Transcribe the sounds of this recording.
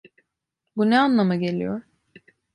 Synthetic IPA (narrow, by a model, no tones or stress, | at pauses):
bunɛanlˠamaɟe̞lʲḭjo̰ɾ̥